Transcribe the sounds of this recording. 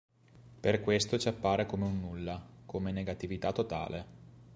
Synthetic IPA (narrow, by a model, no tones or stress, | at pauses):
perkwest̪ot͡ʃapːaːɾekomeunːulːakʰomeneɡat̪ivit̪at̪ːot̪a̰ːlʔe